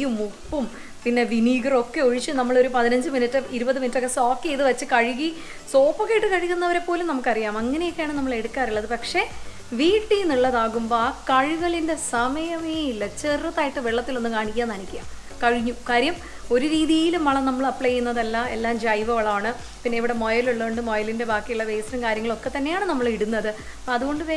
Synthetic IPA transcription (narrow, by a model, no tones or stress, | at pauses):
jumupːum | pinːe̞ʋiniːɡrokːe̞oɻit͡ɕːɨnɐmːɐɭoɾupɐðinɐɲd͡ʑɨminɨtːɨiɾubɐðɨminɨtːokːesoːkːeeðɨʋɐt͡ɕːɨkɐɻiɣi | so̞ːpːokːejiʈːɨkɐɻikʲːunːɐʋɐɾe̞pːo̞ːlumnɐmukːɨɐrijaːmɐŋːɐnejo̞kːejaːɳɨnɐmːɐɭe̞ɽukːaːɾiɭːɐðɨpɐkʂe̞ | ʋiːʈːijniɭːɐðaːɣumbokɐɻuɣɐɭinde̞sɐmɐjɐmeilːɐt͡ɕerrɐt̪ːaːjiʈːɨʋeɭːɐt̪ːilo̞nːɨkaːɳikʲːaːnːɐnikʲːuja̰ːm | kɐɻiɲːukaːɾjɐm | o̞ɾuɾiːðijilumːɐɭɐnɐmːɐɭɐpːɭejːunːɐðɐlːɐe̞̰lːaːmd͡ʑɐjʋɐʋɐɭɐaːɳɨ | pinːeiʋiɽe̞mo̞jɐluɭːɐʋuɳɖɨmojɐlinde̞baːkːijuɭːɐʋejsnɐmkaːɾjɐŋːɐɭo̞kːe̞t̪ɐnːejaːɳɨnɐmːɐɭiɽunːɐðɨ | ɐðuɣo̞ɳɖɨʋe